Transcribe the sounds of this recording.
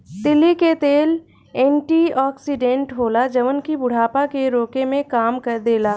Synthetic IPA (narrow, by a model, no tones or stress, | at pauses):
t̪ɪliket̪eːl | ẽːɳʈiɔːksiɖẽɳʈɦoːlad͡ʒɐʋənkibʊɽ̤aːpakeɾoːkemẽkaːmkɐɾd̪eːlaː